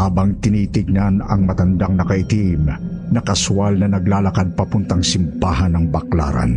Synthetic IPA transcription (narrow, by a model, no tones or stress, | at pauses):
haːbɐŋt̪ɪniːt̪ɪɡ̚nanɐŋmɐt̪ɐnd̪aŋnɐkɐʔɪt̪im | nɐkɐswalnɐnɐɡlaːlɐkad̪̚pɐpʊnt̪ɐŋsɪmbaːɦanɐŋbɐkla̰ːɾa̰n